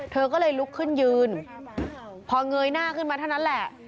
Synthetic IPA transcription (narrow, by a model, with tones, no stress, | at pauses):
t̪ʰɤː˧k̬ɔː˥˩lɤː˧jlu˦˥kʰːɯ˥˩njɯː˧n | pʰɔː˧ŋɤː˧jnaː˥˩kʰɯ˥˩nmaː˧t̪ʰa˥˩wna˦˥nlɛ˨˩ʔ